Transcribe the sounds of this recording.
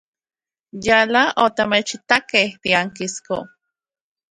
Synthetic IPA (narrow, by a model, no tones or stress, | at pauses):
jalaʔot̪amet͡ʃit̪akeht̪iaŋkisko̰